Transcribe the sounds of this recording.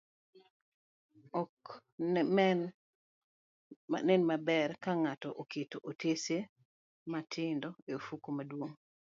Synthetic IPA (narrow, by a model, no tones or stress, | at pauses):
ɔk | mɛn | a̰nɛnmabɛɾkaŋatɔʔoketoʔotese | matʰɪndɔeofukomadwoŋ